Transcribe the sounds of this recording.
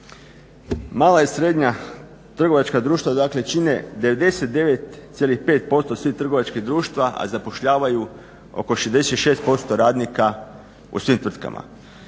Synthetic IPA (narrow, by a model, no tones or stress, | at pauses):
maːlaisɾe̞d̪ɲa | t̪r̩ɡo̞ʋat͡ʃkad̪ɾuːʃt̪ʋad̪aːkle̞t͡ʃine̞d̪eʋe̞d̪e̞set̪̚d̪e̞ʋe̞t̪sjelixpe̞ːt̪̚po̞st̪o̞sʋiht̪r̩ɡo̞ʋat͡ʃkiɦd̪ɾuːʃt̪ʋaʔa̰zapo̞ʃʎaːʋaju | o̞̰ko̞ʃezd̪eset̪ʃe̞ːst̪̚po̞st̪o̞ɾaːd̪nika | ṵsʋimt̪ʋr̩t̪ka̰ma̰